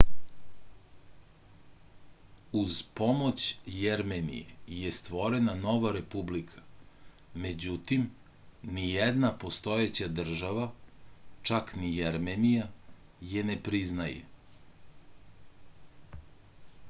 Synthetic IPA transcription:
uzpomot͡ɕjeɾmenḭjḛjest̪ʋo̞ɾenano̞ʋaɾe̞publikʰḁ | me̞d͡ʑut̪im | nijɛd̪napo̞st̪o̞jet͡ɕad̪r̩ʒaʋa | t͡ʃaknijeɾmenijaje̞nepɾiznajḛ

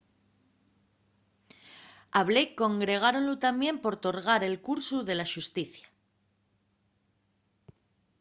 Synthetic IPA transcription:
aβlekːo̞ŋɡɾe̞ɣ̞aɾo̞nlut̪amje̞mpo̞ɾt̪o̞ɾɣ̞aɾe̞lkuɾsuðe̞laʃust̪iθjḁ

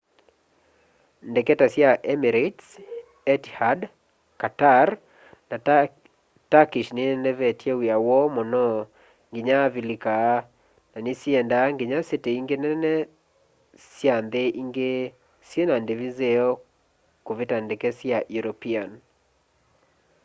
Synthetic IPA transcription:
ndɛkɛtasjaʔɛmiɾets | ɛthad | katar | na | takiʃnɪnɛvɛtʰjewiawɔmɔnɔ | ŋɡɪɲavilikaː | nanɪsiɛndaŋɡɪɲaseteiŋɡenɛnɛ | sjand̪eʔiŋɡe | sjenandevizeɔ | kuvɪtandɛkɛsjajuɾopian

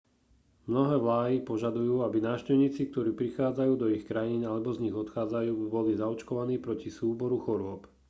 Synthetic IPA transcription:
mnɔɦɛːʋlaːɦipɔʒad̪ujuːabinaːʊʃcɛʊɲiːt͡sik̚t̪ɔɾiːpɾixaːd͡zajuːd̪ɔixkɾajiːnalɛbɔzɲiɣɔt̪xaːd͡zajuːbibɔlizaɔt͡ʃkɔʋaniːpɾɔcisuːbɔɾuxɔɾʊɔp

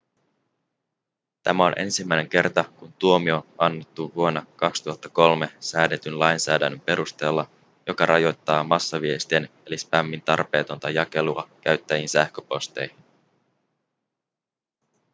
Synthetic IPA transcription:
t̪æmæo̞nʔe̞̰nsimːæjne̞ŋk̟e̞rt̪ɑkunt̪uo̞mio̞ɑnːe̞t̪ːuʋuo̞nːɑkɑkst̪uɦɑt̪ːɑko̞lme̞sæːde̞t̪ynlɑjnsæːdæ̰nːømpe̞ɾust̪e̞ːlːɑ | jo̞kɑrʔɑjo̞jt̪ːɑːmɑsːɑʋiest̪ienelispæmːint̪ɑrpe̞ːt̪o̞nt̪ɑjɑke̞luɑkæɥt̪ːæjinsæhkøpo̞st̪e̞̰jhin

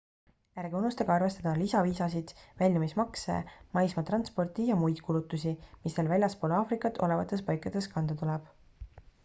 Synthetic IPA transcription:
jæɾɡ̥eunːust̪ɑɡ̥ɑɑrve̞st̪ɑd̪ɑlisɑviːsɑsid̪̥vælʲjɑmismɑksḛmɑjsmɑt̪rɑnspo̞rt̪ijɑmujd̪̥kʰulut̪ːˑusʲimist̪elvælʲjɑspolɑːfrikːˑɑt̪ʰːˑo̞le̞vɑt̪ːˑe̞spɑjkːˑɑd̪̥e̞skɑnd̪̥ɑt̪ulɛb̥

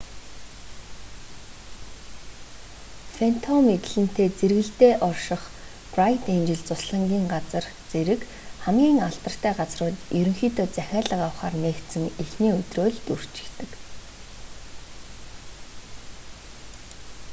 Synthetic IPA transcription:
fen̥t̪ʰɔmet̪ɘ̆ɮɘ̆n̥t̪eːt͡serɣɘ̆ɬt̪eːʔɔrʃɪ̆χ | prajt̪ent͡ɕɪ̆ɮt͡sʊsɮə̆ŋɡʲiːŋɢat͡sə̆r | t͡seɾɘ̆k | χæmɡʲiːŋaɮt̪ə̆r̥t̪ʰæːɢat͡srʊːt̪jɵɾɵ̆ŋxiːt̪ʰeːt͡sæxʲaːɮə̆qawχaːrneːkt̪sɘ̆ŋexniːɵt̪roːɮt̪ur̥t͡ɕɪ̥̆kt̪ɘ̆k

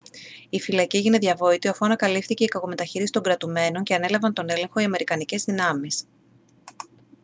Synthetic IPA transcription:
ifilɐciʝine̞ðʝɐvo̞it̪ioɐfuɐnɐkɐlifθice̞ikɐko̞me̞t̪ɐçiɾisi̥t̪o̞ŋɡɾɐt̪ume̞no̞ɲce̞ɐne̞lɐvɐnt̪o̞ne̞lẽ̞ŋxo̞iɐme̞ɾikɐnice̞zðinɐmis

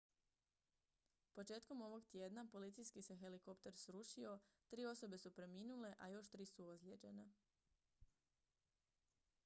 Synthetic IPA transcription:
po̞t͡ʃe̞ːt̪ko̞mo̞ʋo̞ɡt̪jeːd̪napo̞lit̪sijskise̞xe̞liko̞pt̪e̞ɾsɾuʃio̞t̪ɾiːo̞so̞be̞supɾe̞miːnule̞ʔajo̞ʃt̪ɾiːsuozlʲjeːd͡ʑe̞ne

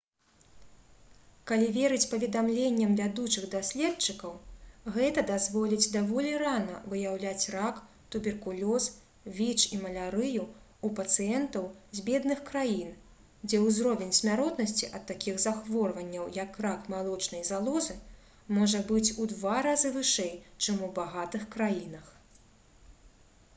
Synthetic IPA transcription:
kalʲivʲeɾɨt͡sʲpɐvʲɛd̪amlʲenʲːɐmvʲad̪ut͡ʂɨɣd̪asʲlʲɛtt͡ʂɨkɐwɣɛt̪ɐd̪azvɔlʲid͡zʲd̪avɔlʲiranɐ̰vɨjawlʲat͡sʲrak | t̪ubʲɛrkulʲɔs | vʲit͡ʂimɐlʲaɾɨju | upɐt̪sɨjɛnt̪ɐwzʲbʲɛd̪nɨxkɾajin | d͡zʲɛwzɾɔvʲɛnʲsʲmʲaɾɔt̪nɐsʲt͡sʲiʔɐt̪ːakʲiɣzaxvɔrvɐnʲːɐwjɐkrakmalˠɔt͡ʂnɐjzalˠɔzɨ | mɔʐɐbɨt͡sʲud̪vaɾazɨvɨʂɛjt͡ʂɨmubaɣat̪ɨxkɾajinɐx

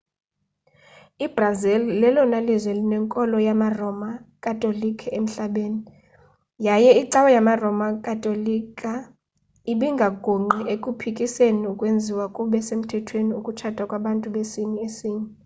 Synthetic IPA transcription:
ib̥razɛllɛlɔnalizwɛlinɛŋkʼɔlɔjamarɔmakʼatʼolikʰɛem̩ɬaɓeːni | jajɛiǀawɛjamarɔmakʼatʼolikʼa | iɓiŋɡʱaɡ̥ʱoŋ͡ǃiekʼupʰikʼiseniukʼwend͡zʱiwakʼuɓɛsem̩tʰɛtʰweniukʼut͡ʃʰatʼakʼwaɓantʼuɓesiniesiːni

